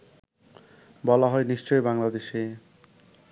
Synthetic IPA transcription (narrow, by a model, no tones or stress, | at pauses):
bɔlaɦɔeniʃt͡ɕɔejbaŋlad̪eʃe